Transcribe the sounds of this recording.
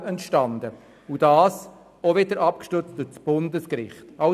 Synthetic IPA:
ɛntʃtɑnd̪ə | ud̥ɑːs | ɔvɪdəɾʔɑp̚kʃtʏɾt͡std̥ʊt͡sb̥ʊndəskɾɪ̰χtɑ

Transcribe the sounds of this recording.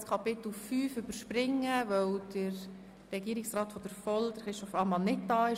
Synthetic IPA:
skʰɑpɪt̪l̩fyːfʏbəɾʃpɾɪŋːəʋœwd̥əɾː | ɛɡiːəɾɪksraːtfɔd̥əɾfɔld̥əχɾɪstɔfɑmɑnːɪt̚d̥ɑːɪ

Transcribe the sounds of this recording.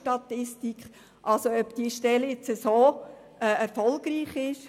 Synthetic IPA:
tɑt̪ɪstikχ | ʔɑlsoœpd̪̥iːʃtɛljɪt͡səsoː | ɛɛɾfɔlˠɡ̥ɾiːχɪʃ

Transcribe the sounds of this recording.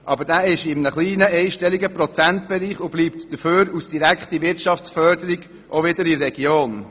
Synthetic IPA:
ʔɑbəɾdæːɪʃɪmnəχliːnəʔɛɪʃtɛliɡəprɔt͡sænt̚b̥ɛɾiːχʊbliːp̚td̥əføːɾusd̥iɾækχtiʋɪɾtt͡ʃɑft͡sfœɾdəɾiɡ | ʔovɪdəɾirːɛɡ̥joːn

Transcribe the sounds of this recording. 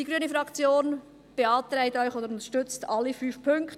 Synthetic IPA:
d̥iɡɾyːnəfɾɑkt͡sjoːn | b̥eɑːt̪ɾɛɪtɔʏçoːdəɾʊnt̪əʃtʏt͡stʰɑlːəfyːfpʰʏŋkt

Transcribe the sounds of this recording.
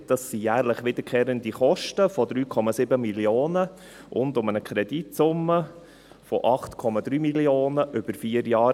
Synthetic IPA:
d̥ɑsːijæːɾləχʋɪd̥̪əɾkʰeːɾəndiχɔʃtəfɔd̪ɾyːkʰɔmɑsɪbəmiljoːnə | ʔʊ̰ndʊmənəkʰɾɛd̥itsʊmːə | fɔʔɑχtkʰɔmɑd̪ɾyːmilioːnəʔʏb̥əɾfiːəɾjɑː

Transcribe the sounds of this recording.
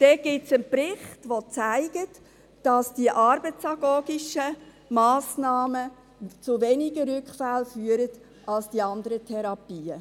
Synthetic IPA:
d̥ɛɡ̥ɪsənpɾɪχtʋot͡sæɪɡ̥ət | d̥ɑsd̥iəʔɑɾbət͡sɑɡ̥oːɡɪʃə | mɑːsnɑːmə | t͡sʊʋenɪɡəɾʏkχfælfyːəɾət | ʔɑlsd̥iɑndəɾətʰɛɾɑpiːə

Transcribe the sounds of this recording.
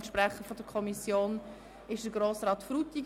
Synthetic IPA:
tʃpɾɛχəfɔd̥əkʰɔmisjoːn | ɪʃd̥əɡɾoːsɾɑːtfɾutiɡ

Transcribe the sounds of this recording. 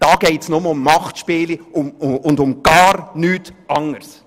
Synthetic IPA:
d̥ɑːɡ̥ɛɪtsnʊməʊmːɑχtʃpeːliʊmʊndʊmɡ̥ɑːɾnyːtʔɑŋəɾs

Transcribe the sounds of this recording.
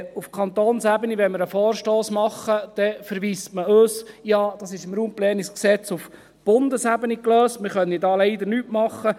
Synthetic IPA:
ufkʰɑnt̪oːnsæbəniʋɛnməɾəfoːrʃtoːsmɑχːəd̪̥ɛfəɾʋiːstməøːsjɑːd̥̪ɑsɪʃɪmɾuːmplɛːnisksɛt͡sʊf | b̥ʊnd̪əsæbənikløːstmɪχœnːidɑːlɛɪd̪əɾnyːtmɑχːə

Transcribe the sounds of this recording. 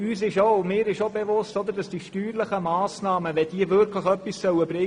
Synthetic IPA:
yːsɪʃomɪːɾɪʃobevʊstɔd̪əɾdɑsd̥iːʃtyːɾləχəmɑːsnɑːməʋɛd̥iːəvʏɾkləχœpːissœʊəb̥rɪ

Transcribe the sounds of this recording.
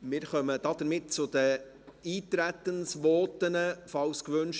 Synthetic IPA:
mɪːɾχœməd̥ɑːd̥̪əɾmɪt̚t͡sʊd̥̪ə | iːt̪ɾæt̪ːənsʋɔːt̪ənəfɑlskʋønʃ

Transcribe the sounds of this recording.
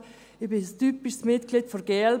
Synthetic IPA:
ɪbɪstypɪʃsmɪtɡ̥lid̥fɔɡ̥el

